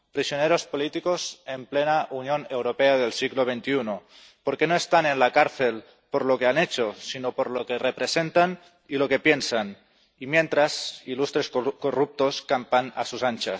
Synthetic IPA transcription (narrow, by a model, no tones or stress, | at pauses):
pɾisjoneɾospolit̪ikosemplenaʔunjonewɾopeaðelsiɣloβ̞ent̪iuno | poɾkenoest̪anenlakaɾθel | poɾlokeanet͡ʃosinopoɾlokerepɾesent̪an | ilokepjensan | imjent̪ɾazilust̪ɾeskorup̚t̪oskampana̰susant͡ʃa